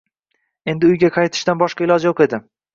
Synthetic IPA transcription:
e̞nd̪ɪʊjɡʲaqʰɑjt̪ʰɪ̥ʃt̪anbɒʃqɑɪlˠɒd͡ʒajoqe̞d̪ɪ

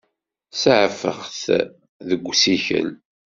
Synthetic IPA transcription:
səʕəfə̰χθ | ðəɡʷːsiçə̰l

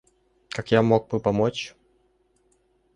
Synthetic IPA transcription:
kakjamoɡ̚bɨpɐmot͡ɕ

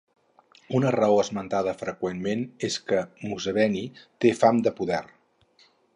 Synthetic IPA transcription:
unərəoəzmənt̪aðəfɾəkwenmeneskəmuzəβɛnit̪efamd̪əpuðɛr

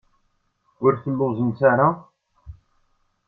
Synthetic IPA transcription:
ʊɾθəlːʊzənsaɾa

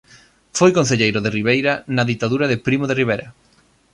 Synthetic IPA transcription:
fojkonθ̬eʎejɾoðeriβ̞ejɾɐnɐðit̪aðuɾɐðɪpɾimoðeriβeɾɐ

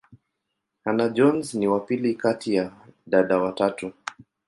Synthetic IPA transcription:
hanad͡ʒɔnzniwapilikatijaɗaɗawatatu

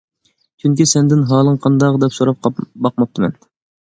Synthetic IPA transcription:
t͡ʃʰyŋkʲisɛnd̪ɪnɦɑːlˠɨŋqʰɑnd̪ɑʁd̪ɛpsoɾɑp̚qʰɑbɑq̚mɑp̚t̪ʰɨmɛ̰n

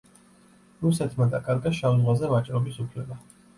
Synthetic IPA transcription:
ɾusɛt̪ʰmad̪akʼaɾɡaʃamzʁwazɛvat͡ʃʼɾɔbisupʰlɛba

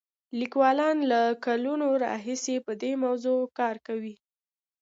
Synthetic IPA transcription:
likwɑlɑnlakalunoɾɑ̰ɦisepəd̪emawzokɑɾkawi

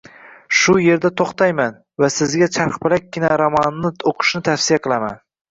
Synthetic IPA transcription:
ʃʊje̞ɾd̪at̪ʰoχt̪ʰajman | vasɪzɡʲat͡ʃʰaɾχpɪlak̚ʲːɪnaɾɒmɒnːɪoqʰɨ̥ʃnɪt̪ʰafsijaqʰɨlˠama̰n

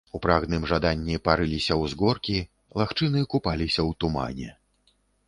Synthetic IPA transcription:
upɾaɣnɨmʐad̪anʲːipaɾɨlʲisʲɐwzɡɔrkʲi | lˠaxt͡ʂɨnɨkupalʲisʲɐwt̪uma̰nʲɛ̰

